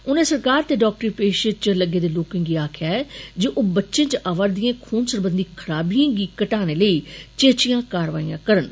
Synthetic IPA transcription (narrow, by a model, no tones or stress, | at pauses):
ʊnẽːsəɾkaːɾt̪eːɖɔːk̚ʈəɾiːpeːʃə̃t͡ʃləɡːeːd̪eːloːkɪ̃ŋɡiːaːkʰɪjaːɛːd͡ʒoːʔoːbətːʃẽːt͡ʃʔaːʋaɾd̪ĩjẽːkʰoːnsəɾbənd̪ikʰəɾaːbiãːɡiːkəʈaːneːləiːt͡ʃeːt͡ʃijãːkaːɾʋaːijãːkəɾən